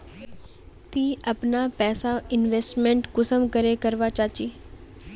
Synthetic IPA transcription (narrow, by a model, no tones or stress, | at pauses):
t̪iːəpnapɛːsaɪnʋeːsʈmẽɳʈkʊsəmkəɾekəɾʋat͡ʃaːt͡ʃiː